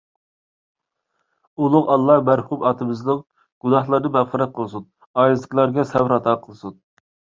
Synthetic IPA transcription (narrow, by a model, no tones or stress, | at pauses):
ulˠʊqɑlˠːɑmæɾhumɑːt̪ʰɨmɨznɨŋ | ɡ̥unɑχlˠɑɾnɨbæʁχəɾɛt̪̚qʰəlˠɨsun | ɑjlɨzəkʲlˠɑɾɡʲɛsɛwɾɑt̪ʰɑqʰəlˠɨsun